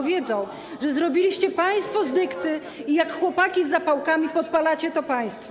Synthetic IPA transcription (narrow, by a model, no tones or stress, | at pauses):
vʲjɛd̪zɔ̃w̃ | ʐɛzɾɔbʲilʲiɕt͡ɕɛpaj̃st̪fɔzd̪ɘkt̪ɘ | ijakxwɔpakʲizːapawkamʲipɔt̪palat͡ɕɛt̪ɔpaj̃st̪fɔ